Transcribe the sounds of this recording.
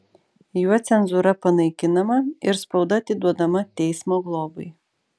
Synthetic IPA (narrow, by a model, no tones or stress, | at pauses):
juɔt̪sʲɛnzuɾɐpɐnɐɪkʲɪnɐmɐɪɾspɒʊd̪ɐɐt̪ʲɪd̪uɔd̪ɐmɐt̪ʲɛɪsmoːɡlˠoːbɐɪ